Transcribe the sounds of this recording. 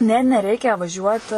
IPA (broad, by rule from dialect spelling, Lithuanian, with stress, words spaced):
ˈnʲɛ nʲɛˈrʲɛɪkʲɛ ʋɐˈʒʲuɔt